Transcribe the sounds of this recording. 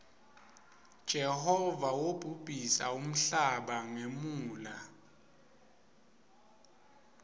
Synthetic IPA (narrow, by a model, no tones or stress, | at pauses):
d̥ʒ̥ʱɛhɔvawob̥ʱub̥ʱisaum̩ɬaɓaŋemuːla